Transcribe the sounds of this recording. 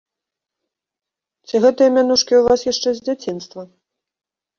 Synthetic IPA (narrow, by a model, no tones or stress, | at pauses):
t͡sʲiɣɛt̪ɨjɐmʲanuʂkʲiuvasjaʂt͡ʂɛzʲd͡zʲat͡sʲin̪st̪vɐ